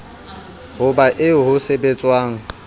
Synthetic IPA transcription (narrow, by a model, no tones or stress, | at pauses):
ɦʊbaʔɪʊɦʊsebet͡sʼwaːŋ̩